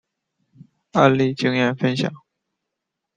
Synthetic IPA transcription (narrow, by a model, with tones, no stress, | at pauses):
a˥˧nli˥˩t͡ɕi˥ŋjɛ˥˩nfə˥nɕjɑ̰˨˩˦ŋ